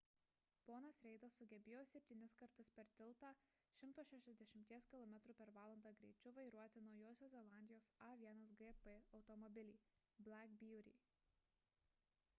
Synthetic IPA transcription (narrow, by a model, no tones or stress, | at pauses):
poːnɐsɾʲɛɪd̪ɐsːʊɡʲɛbʲeːjoːsʲɛpʲt̪ʲiːnʲɪskɐɾt̪ʊspʲɛɾt̪ʲɪlˠt̪ɑː | ʃʲɪmt̪oːʃʲɛʃʲɛzʲd̪ʲɛʃʲɪmʲt̪ʲiɛskʲɪlˠɔmʲɛt̪ɾuːpʲɛɾʋɑːlˠɐnd̪ɑːɡɾʲɛ̰ɪt͡ʃʲʊʋɐɪɾuɔt̪ʲɪnɒʊjoːsʲoːzʲɛlˠɑːˑnʲd̪ʲɪjoːsɑʋʲiɛnɐsɡɛpɛɒʊt̪ɔmɔbʲɪlʲiː | bʲlʲˠækbʲjuːɾʲḭː